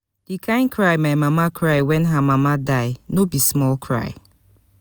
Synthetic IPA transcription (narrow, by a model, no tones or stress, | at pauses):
d̥ikʰãɪ̃nkʰɹaɪmajmamakʰɹaɪwɛ̃nɦamamadaɪnobismɔlkʰɹa̰ɪ